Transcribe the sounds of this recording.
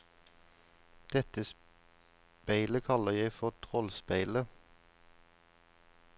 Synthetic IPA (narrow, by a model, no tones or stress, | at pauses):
d̪̥ɛt̪əs | pæɪləkʰɑləʁjæɪfɔʁt̪ʰʁɔlspæɪlə